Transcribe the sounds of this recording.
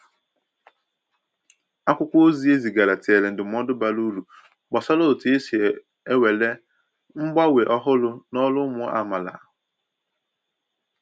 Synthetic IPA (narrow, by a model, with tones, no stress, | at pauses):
a˦kʷʊ˦kʷo˦zi˦e˦zi˨ɡa˨ɾa˨tɪ˨e˨le˨n̩˨dɪ˨m̩˦ɔ˦dʊ˦ba˦lu˦lu˨ | ɡ͡bɔ˨sɔ˦lo˦˨ti˨e˦si˨e˨ | e˦we˨le˦ | ŋ͡m̩˦ɡ͡ba˦we˨ʔɔ˦ɦʊ˦lʊ˦nɔ˦lʊ˦mʊ˦a̰˨ma˨la̰˨